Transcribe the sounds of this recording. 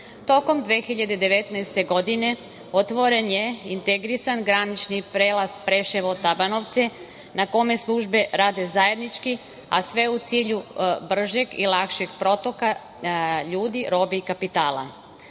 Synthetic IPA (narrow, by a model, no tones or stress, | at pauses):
t̪o̞ko̞md̪ʋeːxiʎad̪e̞d̪e̞ʋe̞t̪naest̪e̞ɡo̞d̪ine̞ | ot̪ʋo̞ɾe̞nje̞int̪eɡɾisanɡɾanit͡ʃnipɾeːlˠaspɾe̞ʃeʋot̪abano̞ʋt̪se̞ | nako̞me̞slˠuʒbe̞ɾaːd̪e̞zaje̞d̪nit͡ʃki | asʋe̞ut̪siːʎubr̩ʒe̞ɡḭlˠakʃeɡ̥pɾo̞t̪o̞ka | ʎuːd̪iɾo̞ːbiikapit̪aːlˠa̰